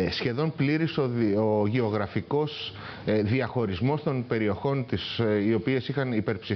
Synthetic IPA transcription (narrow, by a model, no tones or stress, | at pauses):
sçe̞ðo̞npliɾisooʝe̞o̞ɣɾɐfiko̞s | ðiɐxo̞ɾizmo̞st̪o̞npe̞ɾio̞xo̞nt̪isio̞pie̞sixɐnipe̞ɾpsi